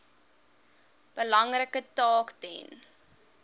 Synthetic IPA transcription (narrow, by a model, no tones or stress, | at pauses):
b̥əlɐŋrəkətɑːktɛ̰n